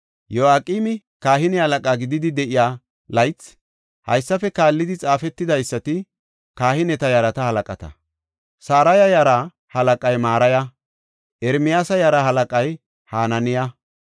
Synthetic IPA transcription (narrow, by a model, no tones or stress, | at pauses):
jɔaːkʼiːmɪ | kaːɦɪnɛhɐlɐkʼaɡɪd̪ɪd̪ɪd̪ɛʔɪjaː | lɐjt͡sː | hɐ̰jsːɐfɛkaːlːɪd̪ɪt͡sʼaːfɛt̪ːɪd̪ɐjsːɐt̪ɪ | kaːhɪnɛt̪ɐjɐɾɐt̪ɐhɐlɐkʼɐt̪ɐ̰ | saːɾɐjɐjaːɾɐ | hɐlɐkʼɐjmaːɾɐjɐ | ʔɛɾmɪjaːsɐjaːɾɐhɐlɐkʼɐj | haːnɐnɪjɐ